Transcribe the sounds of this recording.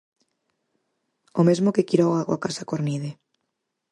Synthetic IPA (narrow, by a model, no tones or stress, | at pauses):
omezmokekiɾɔaɣwakasakoɾniðe